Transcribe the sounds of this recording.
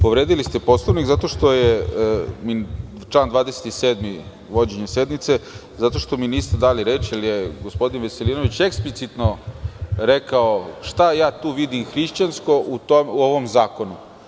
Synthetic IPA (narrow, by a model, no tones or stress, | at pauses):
po̞ʋɾeːd̪ilist̪e̞poslˠoʋnikzat̪o̞ʃt̪o̞je | mi | t͡ʃlaːnd̪ʋaːd̪eset̪iseːd̪mi | ʋo̞d͡ʑeɲese̞d̪mit̪se | zat̪o̞ʃt̪o̞miniːst̪ed̪aːliɾe̞ːt͡ʃjiljeɡospo̞d̪inʋeseliːnoʋit͡ɕe̞ksplit̪sit̪no | ɾekaoʃt̪ajaːt̪uːʋid̪imxɾiʃt͡ɕansko̞ʔut̪ouoʋomzaːko̞nu